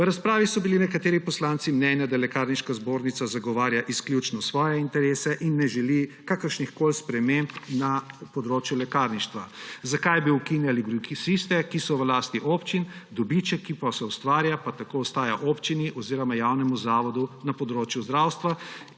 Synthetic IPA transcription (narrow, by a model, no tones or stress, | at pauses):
ʋɾaspɾaːʋisɔbilinɛkat̪eːɾipɔslaːnt̪simnɛnjad̪alɛkaɾniʃkazboːɾnit̪sazaɡɔʋaːɾjaʔisklʲjut͡ʃnɔsʋɔːjɛint̪ɛɾeːsɛʔinːɛʒɛlikakəɾʃnixkoːlspɾɛmempnapɔd̪ɾoːt͡ʃjulɛkaːɾniʃt̪ʋazakajbiukinjaliɡɾukisist̪ɛkisɔʋlaːst̪iʔoːpt͡ʃind̪ɔbit͡ʃɛkipasɛust̪ʋaːɾjapat̪akoɔst̪aːjaʔoːpt͡ʃiniʔɔziːɾɔmajawnɛmuzaːʋɔd̪unapɔd̪ɾoːt͡ʃjuzd̪ɾawst̪ʋa